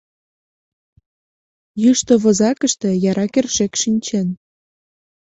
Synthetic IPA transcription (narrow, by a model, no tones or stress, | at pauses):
jyʃt̪oβozɑkəʃt̪ĕjɑɾɑkerʃekʃinʲt͡ɕen